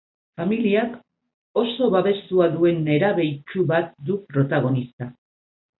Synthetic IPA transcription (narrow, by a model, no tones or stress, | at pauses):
familiak | o̞so̞βaβe̞st̪uaðue̞ne̞ɾaβe̞jt͡ʃuβat̪̚d̪upɾo̞t̪aɣ̞o̞nist̪a